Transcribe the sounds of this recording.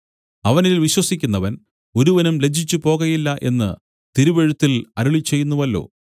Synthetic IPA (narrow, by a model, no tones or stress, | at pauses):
ɐʋɐnilʋiɕwɐsikʲːunːɐʋɐn | o̞ɾuʋɐnumle̞d͡ʑʱit͡ɕːupo̞ːɣɐjilːɐʔe̞nːɨ̰ | t̪iɾuʋe̞ɻut̪ːilɐɾuɭit͡ɕːe̞jːunːuʋɐlːo̞̰ː